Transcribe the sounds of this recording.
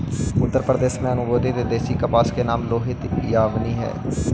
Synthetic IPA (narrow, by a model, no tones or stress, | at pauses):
ʊt̪ːəɾpɾəd̪eːsmẽənũːɡoːd̪eːd̪eːd̪eːsiːkəpaːskeːnaːmloːɦɪt̪jaːʋniːɦɛ̰ː